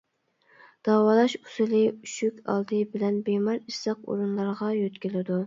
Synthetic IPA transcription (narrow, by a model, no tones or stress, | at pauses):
d̪̥ɑwɑlˠɑʃu̥sɪlˠɪyʃykʲʰɑ̰lˠd̪ɨbɪlɛnbemɑɾisɑq̚o̰ɾunlˠɑɾʁɑjøt̪kʲɪlɪd̪u